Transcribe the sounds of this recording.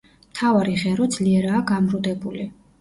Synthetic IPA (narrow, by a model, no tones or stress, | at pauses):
mt̪ʰavaɾiʁɛɾɔd̪z̥liɛɾaːɡamɾud̪ɛbuli